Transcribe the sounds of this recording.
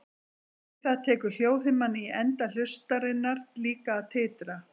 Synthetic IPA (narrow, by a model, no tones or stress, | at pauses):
θaðt̪ʰɛːkʏɾl̥joːwðɪmanːɪiɛnt̪al̥ʏst̪aɾɪnːaɾliːkaːðt̪ʰɪːt̪ɾa